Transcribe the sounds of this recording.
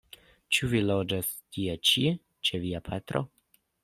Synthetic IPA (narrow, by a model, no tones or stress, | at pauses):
t͡ʃuvilod͡ʒas | tʰiet͡ʃi | t͡ʃeviapʰat̪ɾʔo̰